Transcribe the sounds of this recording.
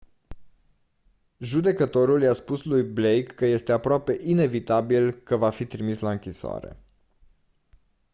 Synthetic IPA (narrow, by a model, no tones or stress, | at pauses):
ʒud̪e̞kət̪o̞ɾuljaspuslujblejkːəje̞st̪e̞apɾoape̞ʔine̞vit̪abilkəvafit̪ɾimislaɨŋkʲisoa̰ɾe̞̰